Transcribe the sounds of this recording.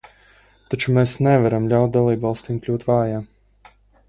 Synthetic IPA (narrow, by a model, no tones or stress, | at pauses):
t̪at͡ʃumɛsnɛvaɾamlʲawt̪̚d̪alˠiːbvɑlˠst̪iŋklʲuːt̪vaːjaː